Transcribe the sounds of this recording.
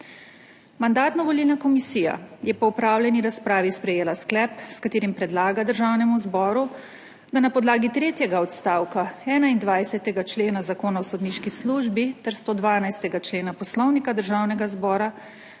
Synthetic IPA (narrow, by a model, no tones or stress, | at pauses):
mand̪aːt̪nɔʋɔliːlnakɔmisiːja̰jɛpɔupɾaːwlʲjɛniɾaspɾaːʋispɾɛjeːlasklɛpskat̪eːɾimpɾɛd̪laːɡad̪əɾʒawnɛmuzbɔːɾu | d̪anapɔd̪laːɡit̪ɾeːt̪jɛɡaɔt̪st̪aːwkaɛːnaind̪ʋajsɛt̪ɛɡat͡ʃleːnazakoːnawsod̪niʃkisluʒbit̪ɛɾst̪oːd̪ʋaːnajst̪ɛɡat͡ʃleːnapɔslɔwnikad̪əɾʒawnɛɡazbɔːɾa